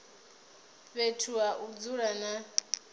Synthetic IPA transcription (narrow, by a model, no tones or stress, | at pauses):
βetʰuaʔud͡zuɺana